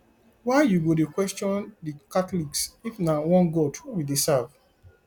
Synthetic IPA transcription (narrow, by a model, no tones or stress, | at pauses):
waɪjuɡodekwɛstɔ̃ndikatliksifnawɔ̃nɡɔtwidesav